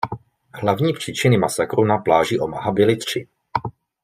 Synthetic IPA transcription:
hlavɲiːpr̝̥iːt͡ʃɪnɪmasakɾunaplaːʒiʔo̞ma̰ɦabɪlɪt̪r̝̥ɪ

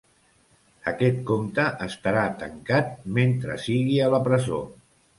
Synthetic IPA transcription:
əkɛt̪̚komt̪əʔəst̪əɾat̪ə̰ŋkat̪̚ment̪ɾə̰siɣiələpɾəzo̰

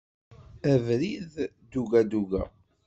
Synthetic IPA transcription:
ævɾið | d̪uɡæd̪uɡæ

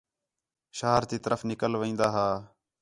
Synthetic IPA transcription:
ʃaːɾt̪iːt̪əɾəfnɪkəlʋĩːnd̪aːɦaː

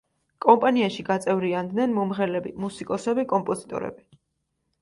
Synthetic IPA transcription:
kʼɔmpʼaniaʃiɡat̪sʼɛvɾiand̪nɛnmɔmʁɛlɛbimusikʼɔsɛbikʼɔmpʼɔzit̪ʼɔ̰ɾɛ̰bi

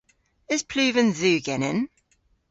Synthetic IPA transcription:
ɪz̥pʰl̥ʉːvə̃nzʉːɡɛnɪ̰n

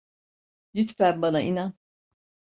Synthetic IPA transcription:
jyt̪fæɾbanainan

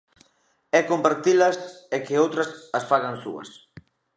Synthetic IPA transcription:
ɛkompaɾt̪ilɐsɛkɪowt̪ɾɐsɐsfaɣaŋsṵɐ̰s

